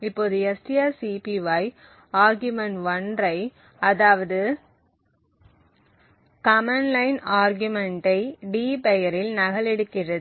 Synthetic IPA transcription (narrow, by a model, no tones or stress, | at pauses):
ɪpːoːðɯɛsʈɪjaːsipiʋɐj | aːɾɡjɯmɐɳʋɐndrɐɪ | ɐðaːʋɐðɯ | kɐmɐnlɐɪnaːɾɡjɯmɛɳʈɐɪɖiːpɛjɐɾɪlnɐɣɐɭɛɽɯkːɪrɐðɯ